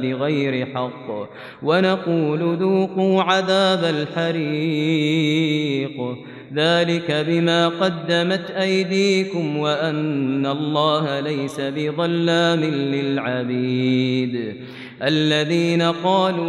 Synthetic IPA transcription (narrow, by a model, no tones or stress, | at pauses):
bɪɣajɾɪħɑqː | wanɑquːlʊðuːquːʕaðaːbalħɑɾi | q | ðaːlɪkabɪmaːqɑd̪ːamat̪ʔajd̪iːkʊmwaʔanːalˤːɑːhalajsabɪðˤɑlːaːmɪnːɪlʕabiːd̪ | ʔalːaðiːnaqɑːluː